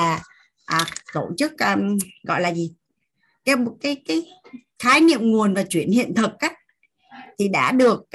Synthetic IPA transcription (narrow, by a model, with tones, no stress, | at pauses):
aː˨˩ | ʔaː˨˩t̪o˧˩t͡ɕɨ˦˥k̚ʔːɣɔ̰˧˨jlaː˨˩zi˨˩ | kaː˨˦jmo˨˩t̚kaː˨˦jkaː˨˦j | xaː˨˦jnḭ˧˨əmŋu˨˩ənvaː˨˩t͡ɕwi˧˩ənhḭ˧˨ənt̪ʰɨ˨˩k̚ʔaː˨˦ | t̪ʰi˨˩ɗa̰ː˧˥ɗɨ˨˩ək̚